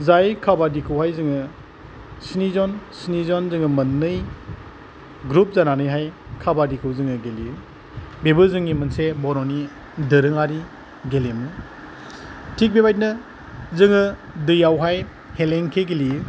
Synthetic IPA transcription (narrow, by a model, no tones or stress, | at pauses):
zajkʰabadikʰɯwɦajzɯŋɯ | sinizɔnsinizɔnzɯŋɯmɐnːɯj | ɡɾup̚zananɯjɦaj | kʰabadikʰɯwzɯŋɯɡeliɯ | bebɯzɯŋimɯnsebɔɾɔni | dɯɾɯŋaɾi | ɡelemu | tʰik̚bebajt̚nɯ | zɯŋɯ | dɯjawɦaj | heleŋkʰeɡeliɯ